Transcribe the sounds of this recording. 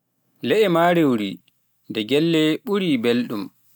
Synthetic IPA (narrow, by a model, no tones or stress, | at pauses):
lɛʔɛmaɾewɾi | ndɛɡɛlːɛɓuɾibelɗum